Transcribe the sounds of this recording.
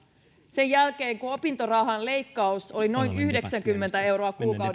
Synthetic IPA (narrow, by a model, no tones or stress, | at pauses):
se̞jælke̞ːŋkuopint̪orɑɦɑnle̞jkːɑuso̞lino̞jnyhde̞ksæŋk̟ymːe̞nt̪æe̞wɾoɑkuːkɑw